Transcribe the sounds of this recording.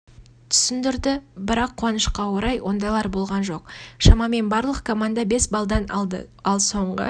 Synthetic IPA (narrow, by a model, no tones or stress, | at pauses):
t̪ʰʏ̥sɪnd̪ɪɾd̪ɪbɪɾɑqʰːʊwɑnəʃqɑwoɾɑjwʔo̞nd̪ɑjlˠɑɾbo̞lˠʁɑnʒo̞qʃɑmɑme̞nbɑɾlˠəqkʰo̞mand̪abe̞sbɑlˠd̪ɑnɑlˠd̪ə̰ɑlˠso̞ɴʁə̰